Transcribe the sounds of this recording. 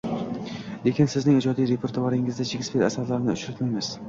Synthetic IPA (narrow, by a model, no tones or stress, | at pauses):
le̞kʲɪnsɪznɪŋɪd͡ʒɒd̪ijɾe̞pʰe̞ɾt̪ʰʊvaɾɪŋɪzd̪ad͡ʒʰɪɡʲɪsbiɾasaɾlaɾnɪʊt͡ʃɾat̪majmɪz̥